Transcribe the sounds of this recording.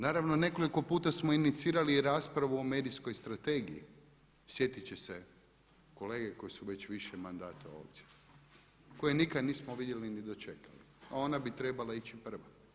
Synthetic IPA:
naːɾaʋno̞ne̞ko̞liko̞puːt̪asmo̞init̪siːɾaliɾaːspɾaʋuome̞ːd̪isko̞jst̪ɾat̪e̞ːɡijḭ | sje̞t̪it͡ɕese | ko̞le̞ːɡeko̞jesuʋe̞t͡ɕʋiʃemand̪aːt̪a̰o̞̰ːpd̪je | ko̞jenikad̪niːsmoʋid̪jelinid̪o̞t͡ʃe̞kalḭ | ao̞nabit̪ɾe̞balait͡ʃipr̩ʋa

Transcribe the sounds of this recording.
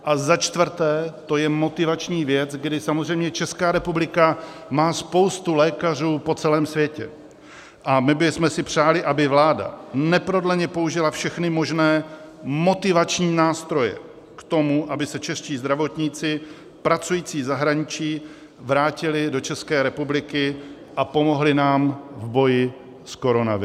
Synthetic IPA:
ʔazat͡ʃt̪vɾ̩t̪ɛːt̪o̞jɛmo̞t̪ɪvat͡ʃɲiːvjɛt͡sɡdɪsamozr̝ɛjmɲɛt͡ʃɛskaːɾɛpublɪka | maːspo̞wst̪ulɛːkar̝uːpo̞t͡sɛlɛːmsvjɛcɛ̰ | ʔamɪbɪsmɛsɪpr̝̥aːlɪʔabɪvlaːda̰nɛpɾo̞dlɛɲɛpo̞uʒɪlafʃɛxnɪmo̞ʒnɛː | mo̞t̪ɪvat͡ʃɲiːnaːst̪ɾo̞jɛ̰ | kt̪o̞muʔabɪsɛt͡ʃɛʂciːzd̪ɾavo̞t̪ɲit͡sɪ | pɾat͡sujiːt͡siːzaɦɾaɲɪt͡ʃiː | vɾaːcɪlɪdo̞t͡ʃɛskɛːɾɛpublɪkɪ | ʔapo̞mo̞ɦlɪnaːmvbo̞jɪ | sko̞ɾo̞navɪ

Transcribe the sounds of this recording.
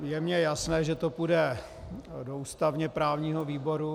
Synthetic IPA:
jɛmɲɛjasnɛːʒɛt̪opudɛ | douːst̪avɲɛpɾaːvɲiːɦoviːbo̞ɾu

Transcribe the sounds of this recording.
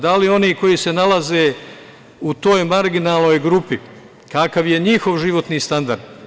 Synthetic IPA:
d̪alio̞niːko̞jise̞nalazeː | ut̪o̞ːjmaɾɡinaːlˠnoːjɡɾupi | kakaʋje̞ɲixo̞ʋʒiʋo̞t̪niːst̪and̪aɾd̪

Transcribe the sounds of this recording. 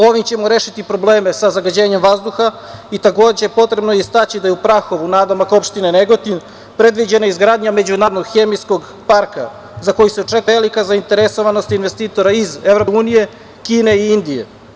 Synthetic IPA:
o̞ʋimt͡ɕe̞moɾe̞ːʃit̪ipɾo̞ble̞ːmesazaɡad͡ʑe̞ːɲe̞mʋazd̪uxa | it̪ako̞ːd͡ʑepo̞t̪ɾe̞bnojist̪at͡ɕid̪ajeupɾaxo̞ʋunaːd̪omakopʃt̪ineneɡo̞t̪in | pɾe̞d̪ʋid͡ʑe̞naizɡɾaːd̪ɲame̞d͡ʑunaːd̪noɡxe̞mijsko̞ɡ | paɾka̰ | zako̞juseot͡ʃe̞kelikazaint̪e̞ɾeso̞ʋano̞st̪inʋest̪iːt̪o̞ɾaizevɾouːnije̞ | kiːne̞iind̪ije̞̰

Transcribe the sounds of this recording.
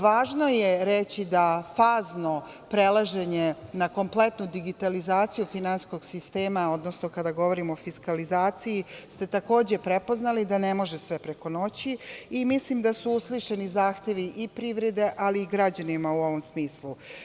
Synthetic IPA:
ʋaːʒno̞jeɾet͡ɕid̪afaːzno̞ | pɾe̞lˠaʒe̞ɲe̞nako̞mple̞t̪nud̪iɡit̪alizaːt̪sijufinansko̞ɡsist̪e̞ːmao̞d̪nosnokad̪aɡo̞ʋo̞ɾimoofiskalizaːt̪sijist̪e̞t̪ako̞ːd͡ʑe̞pɾe̞po̞znalid̪ane̞mo̞ʒesʋe̞pɾe̞ko̞no̞t͡ɕiimislimd̪asuusliʃenizaːxt̪e̞ʋiʔipɾiʋɾe̞d̪e̞ʔaliːɡɾad͡ʑanimauo̞ʋo̞msmiːslu

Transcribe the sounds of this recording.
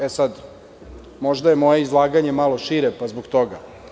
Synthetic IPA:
esad̪ | mo̞ʒd̪aje̞moje̞izlˠaːɡaɲe̞malˠo̞ʃiɾepazboɡt̪oɡa̰

